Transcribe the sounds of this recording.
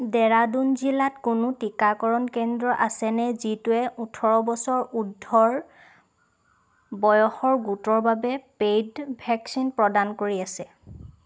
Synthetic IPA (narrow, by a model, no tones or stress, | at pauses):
dɛɹadunzilatkʊnʊtikakɔɹɔnkɛndɹɔʔasɛnɛzituɛʔutʰɔɹɔbɔsɔɹudʱːɔɹ | bɔjɔxɔɹɡutɔɹbabɛpejdbʱɛksinpɹɔdankoɹiasɛ